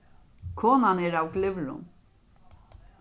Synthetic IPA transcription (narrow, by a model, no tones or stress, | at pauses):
kʰɔːnanɛːɾawklɪvlʊ̰n